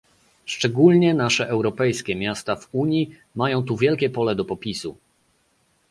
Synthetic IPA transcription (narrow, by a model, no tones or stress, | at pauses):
ʂt͡ʂɛɡulɲɛnaʂɛʔɛwɾɔpɛjskʲɛmʲjast̪avuɲji | majɔ̃w̃t̪uvʲjɛlkʲɛpɔlɛd̪ɔpɔpʲisu